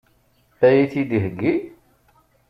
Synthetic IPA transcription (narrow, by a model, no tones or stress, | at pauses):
θæjiθid̪ihəɡːi